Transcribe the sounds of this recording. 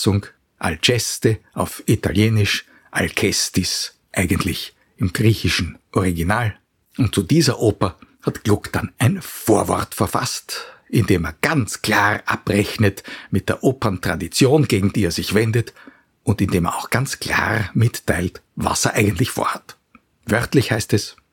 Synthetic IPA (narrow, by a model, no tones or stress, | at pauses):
sʊŋ | ʔa̰lt͡ʃɛstəʔaʊfita̰ljeːnɪʃ | ʔa̰lkʰɛstɪs | ʔæɪɡəntlɪç | ɪmɡ̥ʁiːçɪʃn̩ʔɔʁiɡinaːl | ʔʊntt͡sudiːzɐʔoːpɐhatɡ̥lʊkd̥anʔæɪnfoːɐvɔ̰ɐtfɛɐfa̰stʔɪndeːmeːɐɡ̥ant͡skl̥aːʁʔa̰pʁɛçnətmɪt̚d̥eːɐʔoːpɐntʁ̥a̰dit͡sjoːnɡeːɡŋ̩d̥iːeːɐz̥ɪçv̥ɛndət | ʔʊntɪndeːmɛɐa̰ʊxɡ̥ant͡skl̥a̰ːʁmɪtːaɪltva̰seɛ̰ɐʔæɪɡəntlɪçfo̰ːɐhat | vœʁtlɪçhæɪstɛs